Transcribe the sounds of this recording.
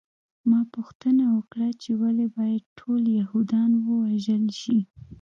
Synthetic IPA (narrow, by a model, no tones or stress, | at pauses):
mɑpʊxt̪ənawəkɽat͡ʃewalebɑjad̪̚ʈʰoljahud̪ɑnwəwaʒəlʃi